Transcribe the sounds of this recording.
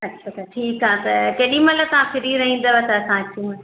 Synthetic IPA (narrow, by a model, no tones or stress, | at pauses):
ɐatʰaʈʰiːkɦaːt̪ɐkeːɗimɐt̪ləbt̪ɐʋãfɪɾiɾɐɦĩːn̆d̪aʋet̪ɐsãːt͡ɕũ